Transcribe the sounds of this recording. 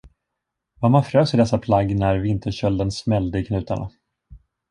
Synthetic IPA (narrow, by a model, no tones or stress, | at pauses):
vamanfɾøːsɪd̪ɛsːapʰlaɡːnæɾvɪnt̪ʰəɕœld̪ənsmɛld̪əɪkʰnʉ̟ːt̪aɳa̰